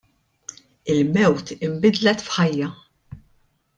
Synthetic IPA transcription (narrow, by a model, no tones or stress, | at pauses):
ɪlmɛwt̪ɪmbɪd̪lɛt̪fħɐjːɐ